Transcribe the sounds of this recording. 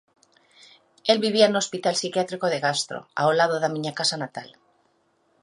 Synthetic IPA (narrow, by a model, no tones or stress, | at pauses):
elβiβ̞iaenuo̞spit̪alsikjat̪ɾikoðeɣast̪ɾo̰a̰olaðoðamĩɲakasanat̪al